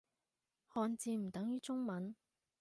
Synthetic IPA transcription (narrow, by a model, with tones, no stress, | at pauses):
hɔː˧nt͡siː˧m̩˨˩t̪ɐ˨˥ŋjyː˥t͡sʊ˥ŋmɐ˨˥n